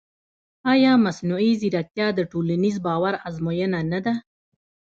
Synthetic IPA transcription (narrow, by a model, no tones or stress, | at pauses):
ɑjɑmasnuiziɾak̚t̪jɑd̪əʈolanizbɑwaɾazmojənanad̪a